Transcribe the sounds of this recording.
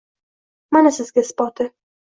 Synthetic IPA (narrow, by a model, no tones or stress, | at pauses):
manasɪzɡʲaspɒt̪ʰɪ